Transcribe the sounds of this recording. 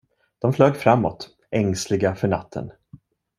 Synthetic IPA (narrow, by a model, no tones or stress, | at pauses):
d̪̥ɔmfløːɡfɾamːɔ̰t̪ | ɛŋslɪɡafœɳat̪ʰːə̰n